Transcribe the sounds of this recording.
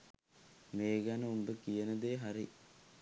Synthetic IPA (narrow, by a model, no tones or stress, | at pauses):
meːɡanɐumbɐkːijɐnɐd̪eːɦɐɾi